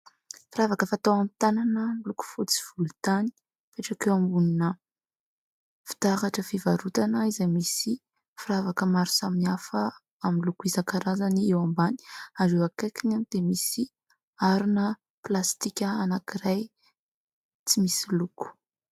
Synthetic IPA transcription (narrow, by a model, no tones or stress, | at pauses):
fiɾavakəfat̪awamt̪ananəluku̥fut͡si̥v̥ulut̪ani̥ | peʈ͡ʂakewambuninə | fi̥t̪aχaʈ͡ʂəfivaɾut̪anəizajmisi | fiɾavakəmaɾu̥saminiafə | aminlukuizakaɾazaniewambani̥aɾewakakinand̪̥emisi | aɾunə | plast̪ikʲəanakiɾaj | t͡simisiluku̥